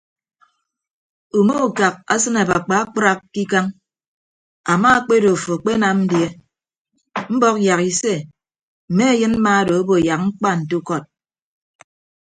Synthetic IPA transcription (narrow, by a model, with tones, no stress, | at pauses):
u˨mo˦u˨ka˨k̚a̰˦sɨ˦ne˨ba˨k͡pa˨˦k͡pɾa˦kːi˦ka˦ŋ | a˨ma˦a˦k͡pe˦do˨fo˨k͡pe˦na˨n̩˦dje˦ | m̩˦bɔ˦k̚ja˨ki˨se˦ | m̩˨me˦a˦jɨ˦n̩˦ma˦do˨o˦bo˨ja˨k̚ŋ͡m̩˦k͡pa˦n̩˨tu˦kɔ˦˨t̚